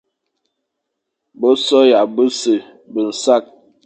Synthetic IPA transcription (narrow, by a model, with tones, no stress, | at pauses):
bo˦sɔ˦ja˨bə˦sə˨ | bə˨n̩˨sa˦˨k̚